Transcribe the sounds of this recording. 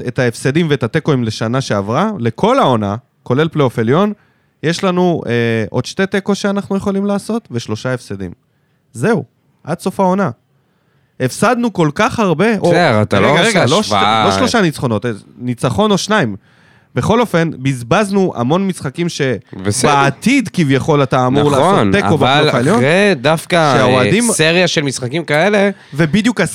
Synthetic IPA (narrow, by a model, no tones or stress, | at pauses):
etaefsedimveet̪at̪e̞ko̞imle̞ʃanaʃe̞avʁale̞kʰo̞lao̞na | ko̞le̞lpleofeljo̞n | je̞ʃlanueʔo̞d̪ʃte̞t̪e̞ko̞ʃeanaχnuje̞χo̞limlaːso̞t̪ve̞ʃlo̞ʃae̞fsed̪ḭm | ze̞u | ʔad̚so̞fao̞na | efsad̪nuko̞lkaχhaʁbe̞ʔoeat̪a̰leɡaʁeɡaloʃvaoʃlo̞ʃanit͡sχo̞no̞t̪enit͡saχo̞no̞ʃnaim | be̞χo̞lo̞fe̞nbizbaznuʔa̰mo̞nmisχakimʃe̞vesedːt̪id̪kivjaχo̞lataːmnuʁlaont̪ekovbaalfaloedafkaʃeaoadimseʁjaʃelmisχakimkaele̞ve̞bid̪jukas